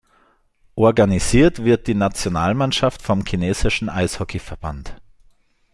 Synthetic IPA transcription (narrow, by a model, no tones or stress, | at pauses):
ʔɔɐɡaniziːɐtv̥ɪɐt̚d̥iːnat͡sjonaːlmanʃaftfɔmkʰineːz̥ɪʃn̩ʔaɪshɔkʰifɛɐb̥a̰nt